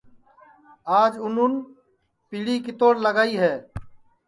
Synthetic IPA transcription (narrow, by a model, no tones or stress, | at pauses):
aːd͡ʒʊnʊn | piːɽiːkit̪oːɽləɡaːiːɦɛː